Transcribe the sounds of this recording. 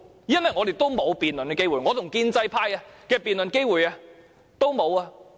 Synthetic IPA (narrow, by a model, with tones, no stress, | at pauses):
jɐ˥nwɐ˨˩jŋɔː˨˧t̪e˨jt̪o˥wmo˨˧wpiː˨˩nlnkɛː˧ke˥jwuː˨˩jŋɔ˨˧t̪ʰʊ˨˩ŋkiː˧nt͡sɐ˧jpʰaː˧jɐ˧kɛː˧piː˨nlɵ˨nke˥jwuː˨˩jɐ˧ | t̪o˥wmo˨˧waː˧